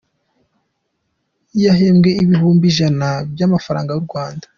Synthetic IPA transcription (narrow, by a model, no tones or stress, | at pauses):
ijaɦemɡe̞iβihuːmbiʒanabjamafaɾa̰ːŋɡajuɾɡwaːndḁ